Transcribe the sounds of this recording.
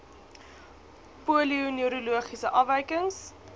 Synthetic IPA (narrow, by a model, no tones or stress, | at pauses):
puəliunyəɾuluəχisəʔɐfɛjkəŋs